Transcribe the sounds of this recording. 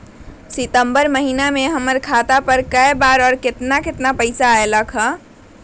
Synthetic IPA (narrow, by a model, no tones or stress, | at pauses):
sit̪əmbəɾməɦinameɦəməɾkʰat̪apəɾkəjbaɾɔːɾket̪naket̪napəɪsaeləkʰɦə̃